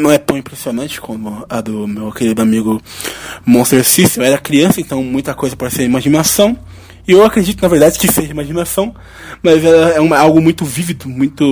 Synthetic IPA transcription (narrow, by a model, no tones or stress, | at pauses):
nɐ̃w̃ɛt̪ɐ̃w̃ĩpɾesionɐ̃t͡ʃɪ̥kʰɐ̃d̪ʊɐd̪ʊmewkelid̪ʊamiɡʊ | mõst̪eɾsisewɛɾɐkɾiɐ̃sɐẽnt̪ɐ̃w̃mũj̃t̪ɐkojzɐpɔd͡ʒɪseɾimaʒinasɐ̃w̃ | ɪewakɾed͡ʒit̪ʊnɐveɾd̪ad͡ʒɪkɪseʒimaʒinasɐ̃w̃ | mɐzɛlɐɛũmɐawɡʊmũj̃t̪ʊvivid̪ʊmũj̃t̪ʊ